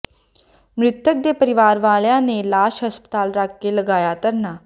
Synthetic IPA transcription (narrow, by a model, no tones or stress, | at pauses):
mɾɪt̪jək̚d̪epəɾiʋaɾʋaɭjãnelaɕɦəspə̥t̪aːlɾakːeləɡajat̪əɾna